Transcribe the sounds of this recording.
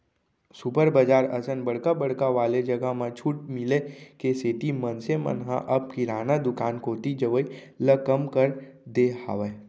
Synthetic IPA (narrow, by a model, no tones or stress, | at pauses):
supəɾbəd͡ʒaːɾəsənbəɽkabəɽkaʋaːled͡ʒɐɡamãt͡ʃʰuːʈ̚mɪlekeseːʈ̪imənsemə̰nɦã̰ʔɐb̚kiɾaːnad̪ʊkaːnkoːt̪id͡ʒəʋəi | ləkɐmkəɾ | d̪eɦa̰ːʋə